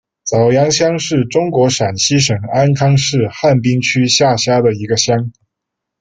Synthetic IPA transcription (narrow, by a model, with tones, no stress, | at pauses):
t͡sɑ˨˩ʊjɑ˧˥ŋɕjɑ˥ŋʂɻ̩˥˩ʈ͡ʂʊ˥ŋkwɔ˧˥ʂa˨˩nɕi˥ʂɤ˨˩ŋa˥nkʰɑ˥ŋʂɻ̩˥˧xa˥˩npi˥ŋt͡ɕʰy˥ɕja˥˩ɕja˥d̪ə˨˩i˧˥ɡə˧ɕjɑ˥ŋ